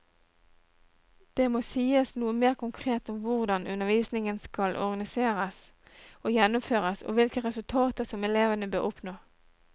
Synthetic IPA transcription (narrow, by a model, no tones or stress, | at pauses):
d̪̥eːmoːsiːəsnuːəmeːʁkʰʊŋkʰʁeːt̪ɔmʋʊʁd̪ɑnʉnəʁʋiːsnɪŋənskɑlʔɔ̰ʁɡɑnɪseːʁəs | oːjɛnʊmføːʁəso̰ːʋɪlkəʁɛsʉlt̪ʰɑːt̪əsɔmɛleːʋənəbøːʔʊpnoː